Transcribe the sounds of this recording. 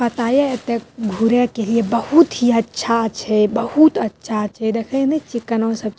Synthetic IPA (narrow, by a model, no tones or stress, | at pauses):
pət̪ajeet̪eɡʱuɾekeliebəhut̪ɦiətːʃʰat͡ʃʰɛbəhut̪ətːʃʰat͡ʃʰɛd̪ekʰə̃net͡ʃikːənõsəb̚